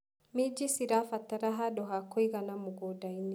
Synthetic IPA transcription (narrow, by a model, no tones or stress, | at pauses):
mid͡ʒisiɾafataɾaɦaɗɔɦakɔiɣanamuɡɔdaini